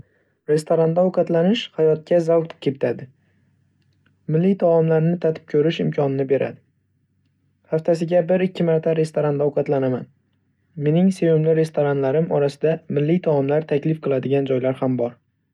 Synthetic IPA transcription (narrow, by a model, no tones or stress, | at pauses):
ɾe̞st̪ʰoɾand̪awqɑt̪lanɪʃhajɒt̪̚kʰʲazawt̪kʲʰet̪ʰad̪ɪ | mɪlːijt̪ʰaɒmlaɾnɪt̪ʰat̪ʰɪ̥p̚kʲʰɵɾɪʃɪmkʰʲɒnɪnɪbe̞ɾʔa̰d̪ɪ | haft̪ʰasɪɡʲabɪɾɪkʲʰːɪmaɾt̪ʰaɾe̞st̪oɾand̪awqɑt̪lanaman | me̞nɪŋsejʊmlɪɾe̞st̪oɾanlaɾɪmɒɾasɪd̪amɪlːɪjt̪ʰaɒmlaɾt̪ʰakʲlɪfqʰɨlˠad̪ɪɡʲand͡ʒɒjlaɾhambɒɾ